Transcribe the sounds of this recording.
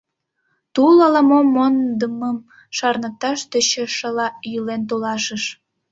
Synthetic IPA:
t̪ulɑlɑmomːond̪əməm | ʃɑrnət̪ɑʃt̪ət͡ɕəʃəlɑjylent̪̬olɑʃəʃ

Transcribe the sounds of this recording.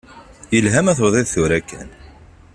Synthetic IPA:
jəlɦæmæθoðˤeðθʊɾækːæ̰n

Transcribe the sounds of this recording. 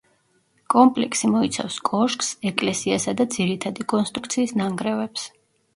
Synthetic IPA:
kʼɔmpʼlɛksimɔit̪sʰa̰fskʼɔʃkʼsɛkʼlɛsiasad̪ad̪ziɾit̪ʰad̪ikʼɔnst̪ʼɾuk̚ʰt̪sʰiːsnaŋɡɾɛvɛps

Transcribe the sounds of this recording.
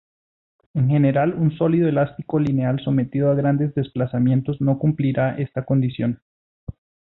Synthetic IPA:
e̞ŋxe̞ne̞ɾalunso̞liðoelast̪iko̞linealso̞me̞t̪iðoaɣɾand̪e̞zd̪e̞splasamje̞nt̪o̞zno̞kumpliɾaʔe̞st̪ako̞nd̪isjo̞n

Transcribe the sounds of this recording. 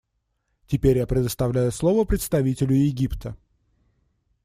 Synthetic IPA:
tʲɪpʲeɾʲjapɾʲɪd̪əst̪ɐvlʲæjʊslˠo̞vəpɾʲɪt̪st̪ɐvʲitʲɪlʲʊjɪɡʲipt̪ʰə

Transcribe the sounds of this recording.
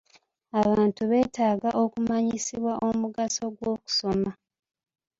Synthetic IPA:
aβaːntuβe̞ːtaːɡaʔo̞kumaɲisiβwaʔomuɡaso̞ɡwo̞ːku̥so̞ma

